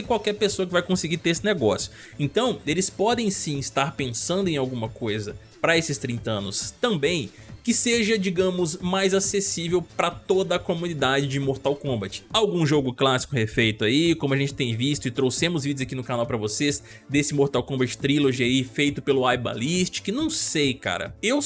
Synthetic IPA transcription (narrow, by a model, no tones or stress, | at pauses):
ekwawkɛɾpesoɐkɪvajkõsɪɡit̪eɾesɪneɡɔsjʊ | ẽnt̪ɐ̃w̃elɪspɔd̪ẽj̃sĩist̪aɾpẽsɐ̃nd̪ʊẽawɡũmɐkojzɐ | pɾɐesɪst̪ɾĩnt̪ɐɐ̃nʊst̪ɐ̃mbẽj̃ | kɪseʒɐd͡ʒiɡɐ̃mʊzmajzasesivewpɾɐt̪od̪ɐːkomũnid̪ad͡ʒɪd͡ʒɪmoɾt̪awkõmbɐt͡ʃɪ̥awɡũʒoɡʊklasi̥kʊhefejt̪ʊaikõmʊɐʒẽnt͡ʃɪ̥t̪ẽj̃vist̪ʊɪt̪ɾowsẽmʊzvid͡ʒʊzakinʊkanawpɾɐvoses | d̪esɪmoɾt̪awkõbɐt͡ʃɪ̥t̪ɾiloʒiaifejt̪ʊpelʊajba̰list͡ʃɪ̥kɪnɐ̃w̃sejka̰ɾɐ̰ew